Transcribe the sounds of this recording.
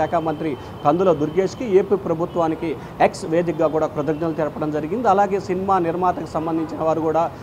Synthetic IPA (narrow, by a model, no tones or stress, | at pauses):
ɛːkɐmɐnt̪ɾi | kɐnd̪uloːd̪uɾɡeːskieːpiːpɾɐbʱut̪ʋaːniki | eksʋeːd̪ik̚ɡaːɡuːɽaːpɾɐd̪ɐɡnɐlut̪ɛɾpɐɽɐmd͡ʒɐɾiɡind̪iɐlaːɡe̞ːsinimaːniɾmaːt̪ɐkusɐmbɐnd̪ʱiɲt͡ʃinɐʋaːɾukuːɽaː